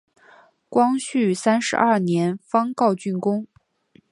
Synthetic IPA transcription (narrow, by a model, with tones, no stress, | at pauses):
kwɑ˥ŋɕy˥˩sa˥nʂɻ̩̰˧˥ʔɐ˥˩njɛ˧˥nfɑ˥ŋkɑ˥˧ʊt͡ɕy˥˩nkʊ˥ŋ